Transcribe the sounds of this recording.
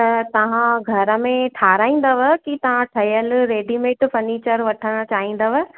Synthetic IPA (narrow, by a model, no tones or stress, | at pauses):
t̪ɐt̪ɐʋ̤ãɡʱɐɾə̆mẽʈʰaːɾaːĩːnd̪ɐʋəkit̪ɐʋ̤ãʈʰɐjəlɾeːɖimẽːʈfɐɾniːt͡ɕəɾʋɐʈʰəɽ̃t͡ɕaːɦĩːn̆d̪ɐʋə